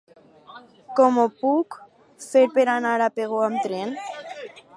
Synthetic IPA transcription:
komopuk | feɾpeɾanaɾapeɣoamt̪ɾen

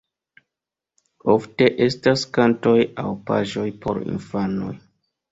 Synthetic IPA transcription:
ofte̞ʔestaskanto̞jawpa̰ʒo̞jpʰo̞̰ɾḭnfano̞̰j

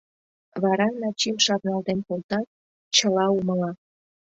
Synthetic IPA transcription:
βɑɾɑnɑt͡ɕimʃɑβnɑld̪enkolt̪ɑk̚ | t͡ɕəlɑuməlɑ

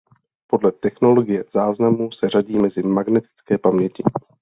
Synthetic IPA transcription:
po̞dlɛt̪ɛxno̞lo̞ɡɪjɛz̥aːznamusɛraɟiːmɛzɪmaɡnɛt̪ɪ̥t͡skɛːpamɲɛcɪ

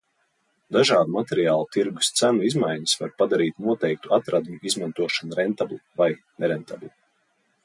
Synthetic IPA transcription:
d̪aʒɑːd̪umat̪ɛɾijaːlˠut̪iɾɡu̥st̪sænuizmajɲisvaɾpad̪aɾiːt̪nuɔt̪ɛjk̚t̪uat̪ɾad̪muizmant̪uɔʃanɾɛnt̪ablʲivajnɛɾɛnt̪ʰablʲi

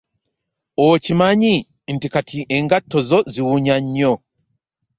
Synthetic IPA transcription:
ocimaɲi | n̩tikatʰiʔeŋɡatːo̞zo̞ziwuɲaɲːo

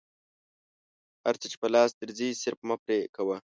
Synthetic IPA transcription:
ha̰ɾt͡sət͡ʃe̥pəlɑːsd̪əɾzisɪɾfmapɾekawa

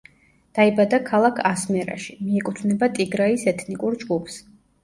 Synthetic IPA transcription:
d̪̥aibad̪akʰalˠakʰasmɛɾa̰ʃi̥miɛkʼut̪ʰvnɛbat̪ʼiɡɾaisɛt̪ʰnikʼuɾd͡ʒɡupʰs

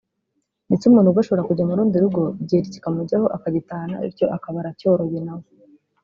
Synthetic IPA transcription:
nit͡ʃumuːnhuɡoʃo̞βoɾakuɟamuɾuːndiɾuɡo̞bɟeɾici̥kamuɟaho̞ʔakaɟitaːna̰ḭɾco̞ʔakaβaɾaco̞ɾoβinawo

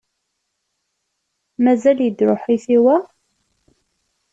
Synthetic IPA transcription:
mæzæljəd̪ɾʊħiθiwæ

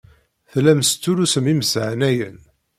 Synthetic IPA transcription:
θlæmst͡s̪ːulusəmiməsʕnæjə̰n

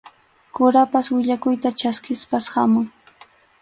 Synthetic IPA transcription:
kʊɾapaswɪʎakʊjt̪at͡ʃaskɪspasha̰mʊŋ

